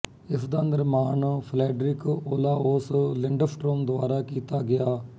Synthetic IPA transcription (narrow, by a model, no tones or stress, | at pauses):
ɪsd̪aːnd̪əɾmaːnpʰlɛːɖɾɪkoːlaːoslɪɳɖəfʈɾoːmd̪ʊaːɾaːkiːt̪aːɡɪjaː